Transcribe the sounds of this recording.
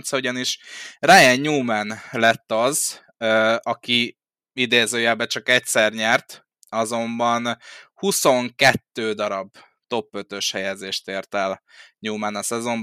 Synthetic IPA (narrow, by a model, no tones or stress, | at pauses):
nt̪sɒuɟɒniʃraːjɛɲɲuːmɛnlɛt̪ːɒz | øːɒki | id̪eːzøːjɛːbɛt͡ʃɒkɛcsɛrɲɛrt̪ | ɒzo̞mbɒnhuso̞ŋkɛt̪ːøːd̪ɒɾɒb | t̪o̞pːø̞t̪ø̞ʃhɛjɛzeːʃt̪eːrt̪ɛlɲuːmɛnɒsɛzo̞mb